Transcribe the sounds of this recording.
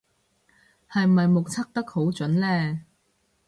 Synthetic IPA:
hɐ˨jm̩˨˩ɐ˨jmo˨k̚t͡sʰɐ˥k̚t̪ɐ˥k̚ho˨˥wt͡sɵ˨˥nlɛː˥

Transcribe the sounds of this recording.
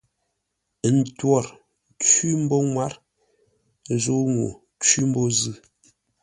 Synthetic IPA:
n̩˨twɔ˦˨ɾ | t͡swi˦m̩˦bɔ˦ŋwa˦ɾ | zo˦ŋwo̰˨ | t͡ʃwi˦m̩˦bɔ˦zɨ˦˨

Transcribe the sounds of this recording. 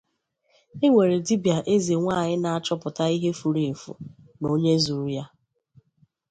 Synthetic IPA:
e˦ŋʷe˨ɾe˨di˦bja˨ʔe˦ze˨ŋʷa˦˨ɲɪ˦na˨a˨t͡ʃɔ˦pʊ˨ta˦i˦ɦe˦fu˨ɾi˨fṵ˨ | no˦ɲe˦zu˨ɾu˦ja˦

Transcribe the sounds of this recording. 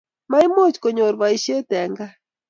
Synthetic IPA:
ma˦i˦mo˦t͡ʃko˨ɲo˨ɾβa˨i˦ʃe˦tɛ˨ŋɡa˦

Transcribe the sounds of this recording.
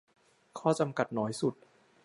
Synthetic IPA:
kʰɔː˥˩t͡ɕa˧mka˨˩t̪̚nɔː˩˦˥jsu˨˩t̪̚

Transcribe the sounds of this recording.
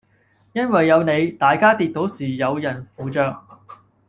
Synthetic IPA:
jɐ˥nwɐ˨jːɐ˨˧wne˨˧jt̪aː˨jkaː˥t̪iː˧t̚t̪o˨˥wsiː˨˩jɐ˨˧wjɐ˨˩nfuː˨˧t͡ʃœː˧k̚

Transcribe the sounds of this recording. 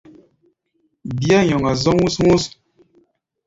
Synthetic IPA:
bi˦a˦ɲɔ˨ŋa˨zɔ˦ŋwu˦sŋu˦s

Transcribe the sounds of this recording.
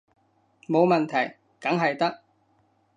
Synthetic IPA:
mo˨˧wmɐ˨nt̪ʰɐ˨˩j | kɐ˨˥ŋɦɐ˨jt̪ɐ˥k̚

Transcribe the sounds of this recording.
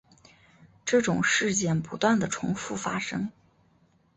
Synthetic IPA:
ʈ͡ʂɤ˥˩ʈ͡ʂʊ˨˩ŋʂɻ̩˥˧t͡ɕjɛ˥˩npu˧˥t̪wa˥˩nd̪ə˩ʈ͡ʂʰʊ̰˧˥ŋfu˥˩fa˥ʂɤ˥ŋ

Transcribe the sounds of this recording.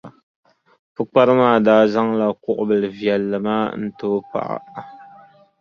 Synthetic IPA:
fɨ˦k͡pa˦ɾɨ˦maː˦˨daː˨˦za˦ŋla˨kʊ˦ʔʊ̰˨bɨ˨lɨ˨vjɛ˨lːɨ˨maː˦n̩˦toː˦pa̰˨ʔa̰˦

